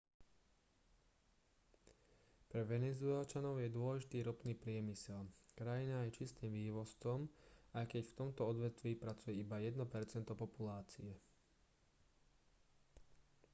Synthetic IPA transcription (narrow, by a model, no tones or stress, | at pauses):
pɾɛʋɛnɛzʊɛlt͡ʃanɔʊjɛd̪ʊɔlɛʒit̪iːɾɔpniːpɾɪɛmisɛlkɾajinajɛt͡ʃist̪iːmʋiːʋɔst͡sɔmajkɛcft̪ɔmt̪ɔɔd̪ʋɛt̪ʋiːpɾat͡sujɛibajɛd̪nɔpɛɾt͡sɛnt̪ɔpɔpulaːt͡sḭɛ